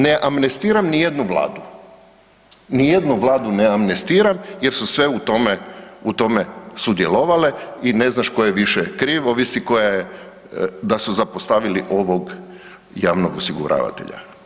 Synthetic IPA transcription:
ne̞ʔamnest̪iːɾamnijed̪nuʋla̰ːd̪u | nije̞d̪nuʋlaːd̪uneamnest̪iːɾamje̞ɾsusʋe̞ut̪o̞meut̪o̞me̞sud̪je̞lˠo̞ʋale̞ine̞znaʃko̞jeʋiʃekɾiːʋoʋisiko̞jaje | d̪asuzapost̪aʋiliʔo̞ʋo̞ɡ | jaːʋnoɡosiɡṵɾa̰ːʋa̰t̪ḛʎa̰

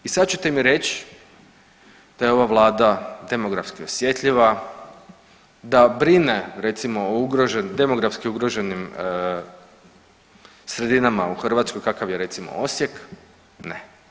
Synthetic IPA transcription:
isad̪t͡ʃut̪emiɾet͡ɕ | d̪̥ajeo̞ʋaʋlˠaːd̪ad̪e̞mo̞ɡɾafskiosje̞t̪ʎʲiʋa | d̪abɾine̞ɾe̞t̪simo̞ouɡɾoʒend̪e̞mo̞ɡɾafskiuɡɾo̞ʒe̞nim | sɾe̞d̪inamauxr̩ʋat̪sko̞jkakaʋjeɾe̞t̪simo̞̰osje̞k | ne

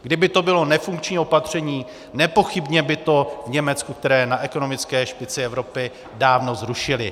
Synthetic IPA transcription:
ɡdɪbɪt̪o̞bɪlo̞nɛfuŋkt͡ʃɲio̞pat̪r̝̥ɛɲiː | nɛpo̞xɪbɲɛbɪt̪o̞vɲɛmɛt͡skuk̚t̪ɛɾɛːnaʔɛko̞no̞mɪt͡skɛːʃpɪt͡sɪɛvɾo̞pɪ | daːvno̞zɾuʃɪlɪ

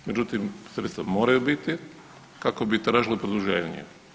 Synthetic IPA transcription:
med͡ʑut̪imsɾet̪st̪ʋamoːɾajubit̪i | kakobit̪ɾaːʒilepɾod̪uʒeːɲḛ

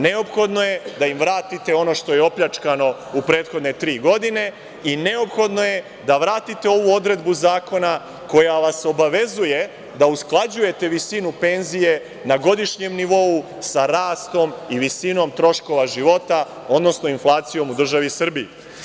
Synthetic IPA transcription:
ne̞o̞pxo̞d̪no̞je̞d̪aimʋɾaːt̪it̪e̞o̞no̞ʃt̪o̞jeo̞pʎat͡ʃkano̞ | upɾe̞ːt̪xo̞d̪ne̞t̪ɾiːɡo̞d̪ine̞ | ine̞o̞pxo̞d̪no̞je̞ | d̪aʋɾaːt̪it̪e̞o̞ʋuo̞d̪ɾe̞d̪buzaːko̞na | ko̞jaʋaso̞baʋe̞zuje̞ | d̪ausklˠad͡ʑuje̞t̪e̞ʋisinupe̞nzije̞ | naɡo̞d̪iʃɲe̞mniʋo̞u | saɾaːst̪o̞miʋisino̞mt̪ɾo̞ʃko̞ʋaʒiʋo̞t̪a | o̞d̪no̞snoinflˠaːt̪sijo̞mud̪r̩ʒaʋisr̩bii

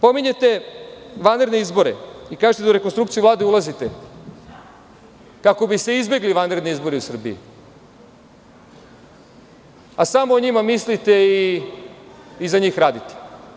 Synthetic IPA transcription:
po̞miɲe̞t̪e̞ʋanɾed̪neizbo̞ɾḛikaːʒet̪ed̪auɾe̞konst̪ɾukt̪ijuvlˠaːd̪eulˠazit̪e | kako̞bise̞izbe̞ɡliʋanɾed̪neizbo̞ɾeusr̩bḭḭ | asamoːɲimamislit̪e̞i | zaɲiːxɾaːd̪it̪e̥

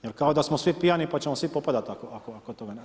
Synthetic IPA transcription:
jeɾkao̞d̪asmosʋipijanipat͡ɕe̞mosʋipo̞pad̪at̪akoakoakot̪o̞ɡan

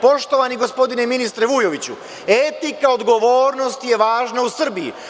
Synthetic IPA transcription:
po̞ʃt̪o̞ʋaniɡo̞spo̞d̪ineminist̪ɾeʋujo̞ʋit͡ɕṵ | et̪ikao̞d̪ɡo̞ʋo̞ːɾno̞st̪je̞ʋaːʒnausr̩bijḭ

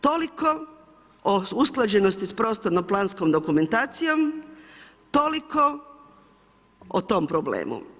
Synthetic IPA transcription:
t̪oliko | ousklˠad͡ʑe̞nost̪ispɾoːst̪anomplˠaːnskomd̪okume̞nt̪aːt̪sijom | t̪o̞liko | o̰t̪o̞mpɾoblḛːmṵ

